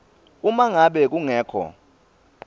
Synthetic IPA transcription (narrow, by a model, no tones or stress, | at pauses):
umaŋaɓɛk̬uŋɛːkʰɔ̰